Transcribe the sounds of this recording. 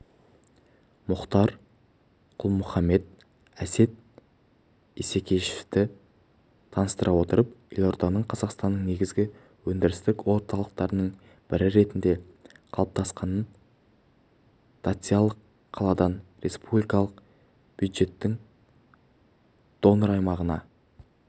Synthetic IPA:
mʊqt̪ɑɾ | qʰʊlˠmʊχɑmːe̞d̪̚ | æse̞t̪̚ | ese̞kʲʰe̞ʃɪ̥ft̪ɪ | t̪ʰɑnəst̪əɾʔɑwo̞t̪əɾəpjelʲo̞ɾt̪ɑnəɴqʰɑzɑqst̪ɑnːəɴne̞ɡʲɪzɡʲɪ | wɵnd̪ɪɾɪst̪ɪkwo̞ɾt̪ʰɑlˠəqt̪ɑɾənəɴ | b̥ɪɾɪɾe̞t̪ɪnd̪e̞ | qʰɑlˠəp̚t̪ʰɑsqɑnən | t̪at̪sɨjɑlˠəqʰː | ɑlˠɑd̪ɑnɾe̞spublijkɑlˠəq | b̥jud̪ʒe̞t̪ːɪŋ | d̪̥o̞nəɾɑjmɑʁənɑ̰

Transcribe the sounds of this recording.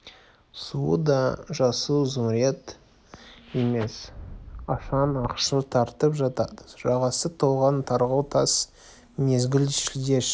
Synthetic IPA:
suəd̪ɑʒɑsuwzʊmɾjet̪ | e̞me̞sɑʃɑnɑqʃət̪ʰɑɾt̪əpʒɑt̪ɑd̪əʒɑʁɑsət̪ʰolˠʁɑnt̪ʰɑɾʁəwt̪ʰɑs | ne̞zɡʲɪlʃɪlʲd̪ʲeʃ

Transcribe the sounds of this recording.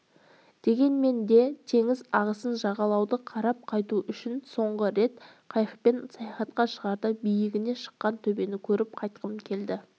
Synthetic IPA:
d̪̥e̞ɡʲe̞nme̞nd̪e̞t̪ʰe̞ŋɪzɑʁəsənʒɑʁɑlˠɑwd̪əqʰɑɾɑp̚qʰɑjt̪uʔʏʃɪnso̞ɴʁəɾe̞t̪ | qʰɑjəpe̞nsɑjɑχɑt̪qɑʃəʁɑɾd̪əbijɪɡʲɪne̞ʃə̥qːɑnt̪ʰɵbe̞nɪkʲʰɵɾɪp̚qʰɑjt̪qəmkʲʰe̞ld̪ɪ

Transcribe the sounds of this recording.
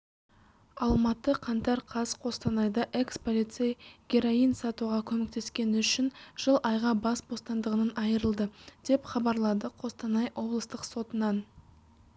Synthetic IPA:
ɑlˠmɑt̪əqʰɑnt̪ɑɾqʰɑzqʰo̞st̪ɑnɑjd̪ɑʔe̞kspo̞lˠit̪sejɡʲeɾoijnsɑt̪uʁɑkʲʰɵme̞k̚t̪e̞skʲe̞nʏʃɪnʒ̥əlˠɑjʁɑbɑsbo̞st̪ɑnd̪əʁənɑnɑjəɾəlˠd̪əd̪̥e̞pχɑbɑɾlˠɑd̪əqʰo̞st̪ɑnɑjwo̞blˠəst̪əqso̞t̪ənɑn

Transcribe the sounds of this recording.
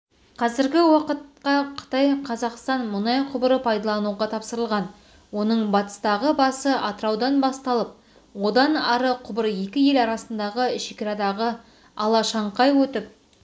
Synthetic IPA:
qʰɑzɪɾɡʲɪwɑqət̪̚qɑqʰə̥t̪ɑjqʰɑzɑqst̪ɑnmʊnɑjqʰʊbəɾəpʰɑjd̪ɑlˠɑnuʁɑt̪ʰɑpsəɾəlˠʁɑn | wo̞nəɴbɑt̪ə̥st̪ɑʁəbɑsəʔɑt̪əɾɑwd̪ɑnbɑst̪ɑlˠəp̚ | wo̞d̪ɑnɑɾəqʰʊbəɾje̞kʲɪje̞lɑɾɑsənd̪ɑʁəʃekʲɪɾɑd̪ɑʁə | ɑlˠɑʃɑɴqɑjwɵt̪ɪp̚

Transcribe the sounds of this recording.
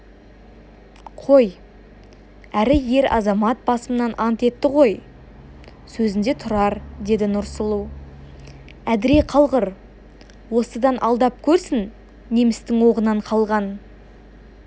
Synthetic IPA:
qʰo̞j | æɾɪje̞ɾɑ̰zɑmɑt̪̚bɑsəmənɑnʔɑnt̪e̞t̪ːɪʁo̞j | sɵzɪnd̪e̞t̪ʰʊɾɑɾd̪e̞d̪ɪnʊɾsəlˠuw | æd̪ɪɾeqʰɑlˠʁəɾ | wo̞səd̪ɑnʔɑlˠd̪ɑp̚kʲʰɵɾsɪn | ne̞mɪst̪ɪŋwo̞ʁənɑɴqʰɑlˠʁɑn

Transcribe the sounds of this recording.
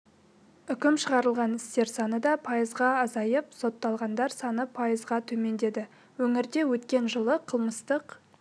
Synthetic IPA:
ʏkʲɪmʃəʁɑɾəlˠʁɑnɪst̪e̞ɾsɑnəd̪ɑpʰɑjəzʁɑːzɑjəpso̞t̪ːɑlˠʁɑnd̪ɑɾsɑnəpʰɑjəzʁɑt̪ʰɵme̞nd̪e̞d̪ɪ | wɵŋɪɾd̪e̞wɵt̪kʲe̞nʒəlˠəqʰəlˠməst̪əq

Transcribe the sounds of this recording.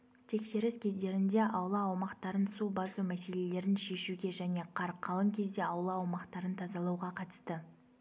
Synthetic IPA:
t̪ʰe̞kʃe̞ɾɪskʲʰe̞zd̪e̞ɾɪnd̪e̞ʔɑwlˠɑːwmɑqt̪ɑɾənsubɑsumæse̞le̞le̞ɾɪnʃe̞ʃuɡʲe̞ʒæne̞qʰɑɾqʰːɑlˠəŋkʲʰe̞zd̪e̞ɑwlˠɑːwmɑqt̪ɑɾənt̪ʰɑzɑlˠɑwʁɑqʰɑt̪ə̥st̪ə

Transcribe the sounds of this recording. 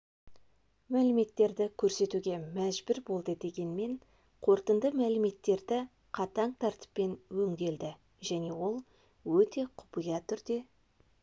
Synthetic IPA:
mælɪme̞t̪ːe̞ɾd̪ɪkʲʰɵɾse̞t̪uɡʲe̞mæʒbɪɾbo̞lˠd̪əd̪e̞ɡʲe̞nme̞ɴ | qʰo̞ɾt̪ənd̪əmælɪme̞t̪ːe̞ɾd̪ɪ | qʰɑt̪ɑɴt̪ʰɑɾt̪ə̥pːe̞nwɵŋɡʲe̞ld̪ɪ | ʒæne̞wo̞lˠ | wɵt̪e̞qʰʊ̥pijɑt̪ʰʏɾd̪e̞

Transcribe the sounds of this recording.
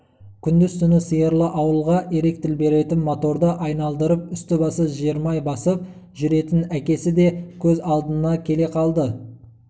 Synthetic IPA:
kʲʰʏnd̪ɪzt̪ʰʏnɪsəjəɾlˠəʔɑwəlˠʁɑʔeɾe̞k̚t̪ɪlbe̞ɾe̞t̪ɪnmot̪o̞ɾd̪əʔɑjnɑlˠd̪əɾəp̚ʏst̪ɪbɑsəʒijəɾmɑjbɑsəp̚ | ʒʏɾe̞t̪ɪnækʲe̞sɪd̪e̞kʲʰɵzɑlˠd̪ənənɑkʲʰe̞le̞qʰɑlˠd̪ə

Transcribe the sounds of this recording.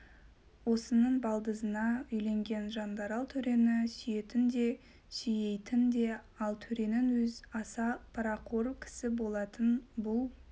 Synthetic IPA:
wo̞sənəɴbɑlˠd̪əzənɑʏjle̞ŋɡʲe̞nʒɑnd̪ɑɾɑlˠt̪ʰɵɾe̞nɪsʏje̞t̪ɪnd̪e̞ | sʏje̞jt̪ɪnd̪e̞ | ɑlˠt̪ʰɵɾe̞nɪnwɵzɑsɑpʰɑɾɑqʰo̞ɾkʲʰɪ̥sɪbo̞lˠɑt̪ənbʊlˠ

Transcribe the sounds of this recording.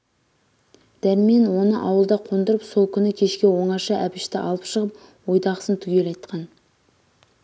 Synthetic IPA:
d̪̥æɾme̞nwo̞nəʔɑwəlˠd̪ɑqʰo̞nd̪əɾəpsolˠkʲʰʏnɪkʲʰe̞ʃkʲe̞wo̞ɴɑʃɑʔæpɪʃt̪ɪʔɑlˠəpʃəʁəp | wo̞jd̪ɑʁə̥sənt̪ʰʏɡʲe̞lɑjt̪qʰɑn

